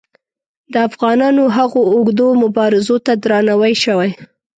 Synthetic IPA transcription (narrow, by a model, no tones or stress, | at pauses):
d̪əafɣɑnɑnoɦaɣoːɡd̪omʊbɑɾɪzot̪ad̪ɾɑnawajʃəwaj